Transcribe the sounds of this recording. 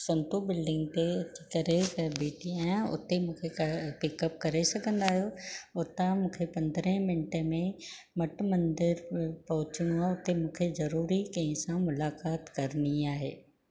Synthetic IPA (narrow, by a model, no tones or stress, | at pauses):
sɐ̃nt̪ubɪlɖɪ̃ŋɡt̪et͡ɕikɐɾebiːʈiajãʊ̰t̪emũːkʰepɪkɐp̚kɐɾesɐɡʱə̃nd̪aːɦijoʊt̪amũːkʰepɐ̃nd̪əɾə̃mɪnʈemẽ | mɐʈmɐ̃nd̪ɪɾpɐɦʊt͡ɕij̃ũaːʊt̪emũːkʰezɐɾuːɾikɐ̃ɪ̃sãmʊlaːkaːt̪kɐɾniaːɦeː